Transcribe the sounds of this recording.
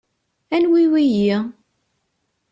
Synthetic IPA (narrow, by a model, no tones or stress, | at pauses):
ænwiwiji